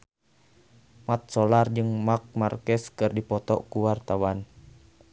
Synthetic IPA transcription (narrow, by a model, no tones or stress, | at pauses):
mat̪̚sɔlard͡ʒɨŋmak̚markɛskɨrdipɔt̪ɔ̰ʔkuwart̪awan